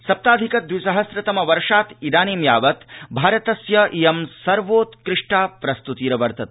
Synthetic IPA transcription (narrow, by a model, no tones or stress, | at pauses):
sɐp̚t̪aːd̪ʱikɐd̪ʋisɐɦɐsɾɐt̪ɐmɐʋɐɾʂaːt̪id̪aːniːmjaːʋɐt̪bʱaːɾɐt̪ɐsjɐʔijɐmsɐɾʋoːt̪kɾɪʂʈaːpɾɐst̪ut̪iːɾɐʋɐɾt̪ɐt̪̚